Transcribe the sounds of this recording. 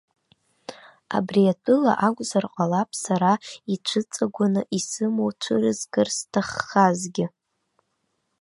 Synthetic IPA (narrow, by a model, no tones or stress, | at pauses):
a̰briatʰɨla̰ʔaɡʷzarqʼalapʼsaɾait͡ʃʷʰɨt͡sʼaɡʷanɨʔisɨmowt͡ʃʷʰɨrɨzɡɨrstʰaχːazɡʲɪ